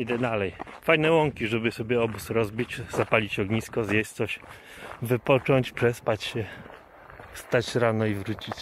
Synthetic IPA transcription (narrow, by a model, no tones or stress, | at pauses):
id̪ɛd̪alɛjfajnɛwɔŋkʲiʐɛbɘsɔbʲjɛɔbusɾɔzbʲit͡ɕz̥apalʲit͡ɕɔɡɲiskɔzjɛɕt̪sɔɕ | vɘpɔt͡ʂɔɲt͡ɕpʂɛspat͡ɕɕɛ | st̪at͡ɕɾanɔivɾut͡ɕit͡ɕ